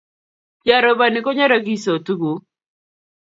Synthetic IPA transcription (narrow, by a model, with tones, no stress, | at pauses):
d͡ʒa˨ɾɔ˨ba˨nɪ˨kɔ˦ɲa˦ɾa˦ɡi˦so˨tu˦ɡu˨˦